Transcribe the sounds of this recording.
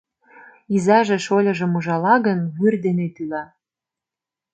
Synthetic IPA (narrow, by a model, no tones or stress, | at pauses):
izɑʒĕʃolʲɤ̆ʒɤ̆muʒɑlɑɣənβyrd̪enet̪ylɑ